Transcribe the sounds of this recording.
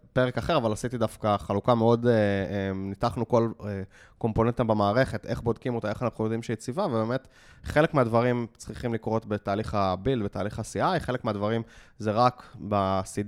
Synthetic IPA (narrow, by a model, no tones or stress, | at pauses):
pe̞ʁekaχeʁavalasit̪idafkaχalukameo̞deemnitaχnuko̞le | ko̞mpo̞nent̪embemaːʁe̞χe̞t̪ʔeχbo̞dkimo̞t̪aeχanaχijod̪imʃeit͡sivavebeme̞t | χele̞kmead̪vaʁimt͡sʁiχimlikʁo̞tbetaːliχabilbetaːliχasiajχe̞le̞kmeadvaʁim | zeʁakbasid